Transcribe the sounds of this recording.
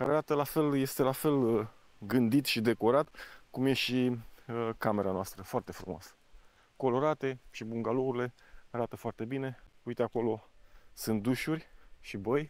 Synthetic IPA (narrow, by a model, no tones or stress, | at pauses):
ka̰ɾeaɾat̪əlafe̞lje̞st̪e̞lafe̞l | ɡɨnd̪it̪ʃid̪e̞ko̞ɾat̪kumje̞ʃiəkame̞ɾanoast̪ɾəfoart̪e̞fɾumoa̰sə̥ | ko̞lo̞ɾat̪e̞ʃibuŋɡalouɾile̞aɾat̪əfoart̪e̞bine̞ujt̪eako̞lo̞sɨnt̪̚d̪uʃurʲʃibəj